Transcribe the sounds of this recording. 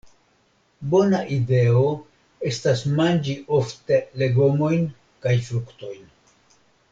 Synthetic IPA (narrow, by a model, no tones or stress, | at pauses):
bo̞naʔide̞o̞ | e̞stasmand͡ʒiʔo̞fte̞le̞ɡo̞mo̞jn | kajfɾukto̞jn